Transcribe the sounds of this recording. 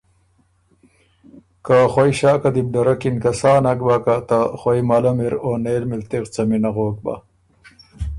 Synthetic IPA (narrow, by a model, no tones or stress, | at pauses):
kaχwojɕaːkɐd̪ib̚ɖɐɾɐkinkɐsaːnɐkbakat̪aχwojmɐlɐmeɾoːneːlmilt̪eqt͡sɐminɐɣoːk̚ba̰